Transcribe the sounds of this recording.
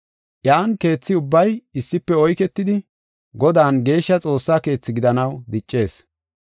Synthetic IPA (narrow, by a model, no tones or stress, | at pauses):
ʔjaːnke̞ːt͡sːɪʊbːɐjɪsːɪpːɛɔjkɛt̪ːɪd̪ɪ | ɡɔd̪aːnɡe̞ːʃːɐt͡sʼo̞ːsːaːke̞ːt͡sːɪɡɪd̪ɐnɐwd̪ɪt͡ʃʼːe̞ːs